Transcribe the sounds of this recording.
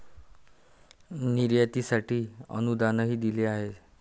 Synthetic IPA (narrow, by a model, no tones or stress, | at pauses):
niɾjat̪isaʈʰiːə̰nud̪anəɦiːd̪ileaɦe